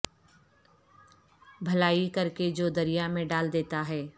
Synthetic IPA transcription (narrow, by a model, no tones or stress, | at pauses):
bʱɐlaːikɐɾked͡ʒoːd̪ɐɾijamẽɖaːld̪eːt̪aɦɛː